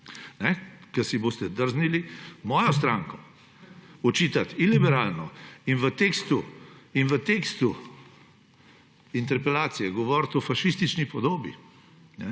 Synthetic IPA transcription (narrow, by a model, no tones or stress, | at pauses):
nɛkɐsiboːst̪ɛd̪əɾznilimɔːjɔst̪ɾaːŋkɔ | ɔt͡ʃiːt̪at̪ilibɛɾalnɔinʋət̪ekst̪uinʋət̪eːkst̪u | int̪ɛɾpɛlaːt̪sijɛɡɔʋɔɾt̪ɔfaʃist̪it͡ʃnipɔd̪oːbḭ | nɛ